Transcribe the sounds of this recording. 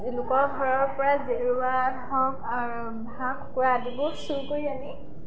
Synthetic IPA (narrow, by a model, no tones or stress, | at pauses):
zilʊkɔɹɡʱɔɹɔɹpɔɹazeɹuwadɦɔk | aɹ | bʱãkʰkuɹadibɔsuɹkoɹiani